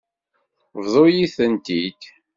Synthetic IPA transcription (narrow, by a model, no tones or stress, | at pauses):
vðˤojiθənt̪id̪